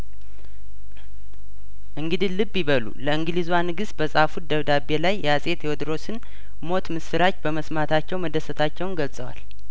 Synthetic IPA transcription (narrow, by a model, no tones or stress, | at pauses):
ʔɨŋɡɨd̪ilɨbːjiβəlṵləɨŋɡlizwanɨɡɨs̚bəsʼafud̪əβd̪abe̞lajːɛasʼe̞t̪jewɔd̪ɾo̞sɨn | mo̞t̪mɨsɨɾat͡ʃːbəməsmat̪ʰat͡ʃːɛwməd̪əsət̪ʰat͡ʃːɛwnɡəlsʼəwa̰l